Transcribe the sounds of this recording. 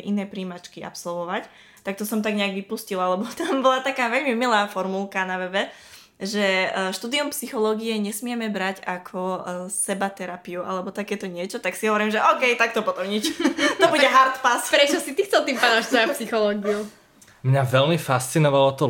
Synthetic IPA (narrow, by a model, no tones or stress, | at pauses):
ʔinɛːpɾiːmat͡ʃkiʔa̰psɔlʋɔʋac | t̪ak̚t̪ɔsɔmt̪aɡɲɛaɡʋipuscilalɛbɔt̪ambɔlat̪akaːʋɛʎmimilaːfɔɾmulˠkanaʋɛbɛ | ʒɛʃt̪uːd̪iumpsixɔlɔːɡiɛɲɛsmɪɛmɛbɾaɟakʰɔsɛbat̪ɛɾapiuʔa̰lɛbɔt̪akɛːt̪ɔɲɪɛt͡ʃɔt̪aksiɦɔʋɔɾimʒɛʔɔːkɛjt̪ak̚t̪ɔpɔt̪ɔmɲit͡ʃt̪ɔbuɛɦaɾt̪paspɾɛt͡ʃɔsit̪ixt͡sɛlˠt̪iːmpanɔ̃ʃt̪ɔjapsixɔlɔːɡiu | mɲaʋɛlmifast͡sinɔʋalɔt̪ɔ